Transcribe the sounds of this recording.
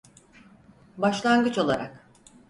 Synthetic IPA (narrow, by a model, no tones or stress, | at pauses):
baʃlˠanɡɯt͡ʃo̞lˠaɾa̰k